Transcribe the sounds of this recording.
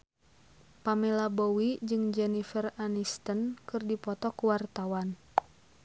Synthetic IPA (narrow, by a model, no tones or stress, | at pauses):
pamɛlabowid͡ʒɨŋd͡ʒɛnifəranist̪ənkɨrdipɔt̪ɔkuwart̪awan